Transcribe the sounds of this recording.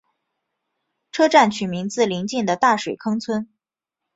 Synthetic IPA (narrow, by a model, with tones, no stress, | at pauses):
ʈ͡ʂʰɤ˥ʈ͡ʂa˥˩nt͡ɕʰy˨˩mi˧˥ŋt͡sɹ̩˥˩li˧˥ŋt͡ɕi˥˩nd̪ə˩t̪a˥˩ʂwe˨˩ɪkʰɤ˥ŋt͡sʰwə˥n